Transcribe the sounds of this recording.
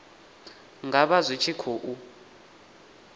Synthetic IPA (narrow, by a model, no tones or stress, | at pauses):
ŋɡaɓazʷit͡ʃʰikʰoːʔu